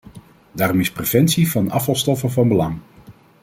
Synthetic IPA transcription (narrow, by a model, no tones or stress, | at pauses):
daːɾɔmɪsprev̥ɛntsivɑnɑ̰fɑlˠstɔfənvɑnbəlɑŋ